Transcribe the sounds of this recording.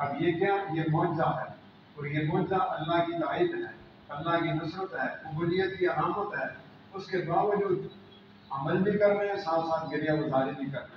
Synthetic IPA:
ɐbjekjajemɔ̃ːt͡ʃzaɦɛː | ɔːɾjebɔːt͡ʃzaʔɐlːaɦkit̪aːiːbɦɛː | ɐlːaɦkinʊsɾət̪ɦɛːʊbuːlijət̪̚kiɐlaːmət̪ɦɛː | ʊskebaːʋəd͡ʒuːd̪ | ɐməlbʱikɐɾneɦɛ̃saːt̪saːt̪̚ɡɐɾijakʊzaːɾebʱikɐɾna

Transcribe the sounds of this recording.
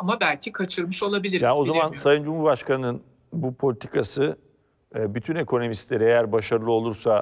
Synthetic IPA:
amabælʲcʰikʰat͡ʃʰɯɾmɯʃo̞lˠabilʲiɾjaːno̞zamansajɯnd͡ʒumhuɾbaʃkanɯnɯn | bupʰo̞lʲit̪ʰi̥kʰasɯ | byt̪ʰyne̞kʰo̞no̞mist̪lʲe̞ɾiejæɾbaʃaɾɯlˠɯo̞lˠuɾsa

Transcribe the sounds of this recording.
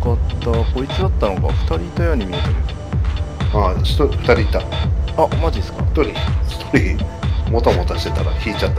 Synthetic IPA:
kat̪ːako̞it͡sɨd̪at̪ːano̞ka̰ɸɯ̟̥t̪aɾʲit̪ojaɲ̟imʲiet̪eɾ | aɕi̥t̪oiɸɯ̥t̪aɾʲit̪ːaamaʑid̪sɨ̥kat̪oɾʲiɕi̥t̪oɾʲimot̪amot̪aɕi̥t̪e̞t̪aɾa̰çʲiːt͡ɕat̪ːa

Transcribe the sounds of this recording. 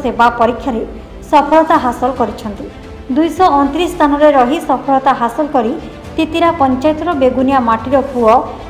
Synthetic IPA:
sebapɔɾikʰːjaɾe | sɔpʰɔɭɔt̪aɦasɔlɔkɔɾit͡ʃʰɔnt̪i | d̪ujsɔɔnt̪ɾist̪ʰanɔɾeɾɔɦisɔpʰɔɭɔt̪aɦasɔlɔkɔɾi | t̪it̪iɾapɔnt͡ʃajɔt̪ɔɾɔbeɡunijamaʈiɾɔpuɔ

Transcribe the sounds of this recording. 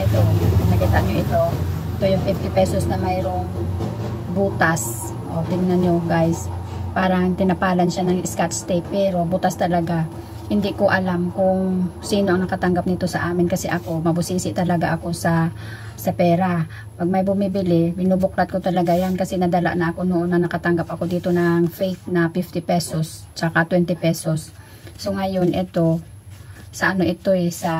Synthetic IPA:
ʔɛt̪onɐkit̪aʔɲoʔɪt̪o̞ɪt̪ojʊŋfɪft̪ɪpɛsosnɐmajɾo̞ŋ | buːt̪as | ʔod̪ɪnnɐɲoɡajspaːɾɐŋt̪ɪnɐpaːlɐnʃanɐŋʔɪskat̪st̪ɛk̚pɛːɾo̞but̪ast̪ɐlɐɡa | hɪnd̪ɪʔkoʔɐlamkʊŋsiːnoʔɐŋnɐkɐt̪ɐŋɡap̚nɪt̪o̞sɐʔaːmɪnkɐsɛʔɐko̞mɐbʊsiːsɪʔt̪ɐlɐɡaʔɐko̞sɐ | sɐpɛːɾa | pɐɡ̚mɐjbʊmibɪlɪbɪnubʊklat̪̚kot̪ɐlɐɡajankɐsɛnɐd̪ɐla̰ʔnɐʔɐko̞noʔonːɐnɐkɐt̪ɐŋɡapʔɐko̞d̪iːt̪o̞nɐŋfɛjk̪̚nɐfɪft̪ɪpɛso̞st͡ʃɐkat̪wɛnt̪ɪpɛso̞sː | o̞ŋɐjo̞nʔɛt̪o̞ | sɐʔɐno̞ʔɪt̪o̞ɛsɐ

